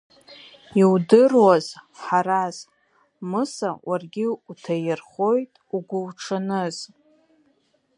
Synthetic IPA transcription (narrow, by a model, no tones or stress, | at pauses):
iwdɨrwazħaɾaz̥ | mɨsawʔarɡʲɪutʰajɪrχo̞jtʼuɡʷʊwʈ͡ʂʰanɨz̥